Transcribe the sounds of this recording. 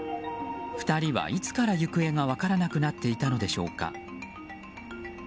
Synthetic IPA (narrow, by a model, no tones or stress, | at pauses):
ɸɯ̥t̪aɾʲiβa̰ʔit͡sɨ̥kaɾajɯ̟kɯ̟e̞ŋaβakaɾanakɯ̟nat̪ːe̞it̪ano̞d̪e̞ɕo̞̰ːka̰